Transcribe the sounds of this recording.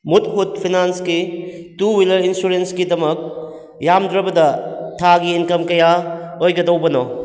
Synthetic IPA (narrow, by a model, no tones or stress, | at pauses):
mut̚ɦut̚pʰinanskituwilɐɾinsuɾenskidɐmɐk̚ | jamdɾɐbɐdɐtʰaɡiːnkɐmkɐjaojɡɐdɐwbɐnɔ̰